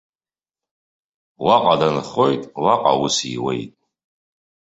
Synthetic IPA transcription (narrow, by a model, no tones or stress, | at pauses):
waqʼadanχo̞jtʼwaqʼa̰wusiwḛjtʼ